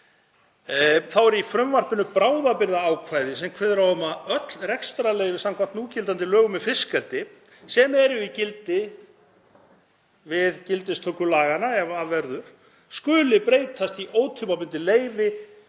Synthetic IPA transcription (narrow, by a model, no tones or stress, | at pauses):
θawɛɾifɾʏmvar̥pɪnʏpɾaːwðapɪɾðaaːwkʰvaːjðɪsɛmkʰvɛðɾawʏmaœt̪lrɛkst̪ɾalejvɪsamkʰvam̥t̪nuːcɪlt̪ant̪ɪlœːɣʏmɛðfɪskɛlt̪ɪ | sɛmɛɾʏicɪlt̪ɪ | vɪðcɪlt̪ɪst̪ʰœːkʏlaːɣanaɛvaðvɛɾðʏɾ̥ | skʏːlɪpɾeːjt̪ʰast̪iʔoːwt̪ʰʏpapʏnt̪ɪleːjvɪ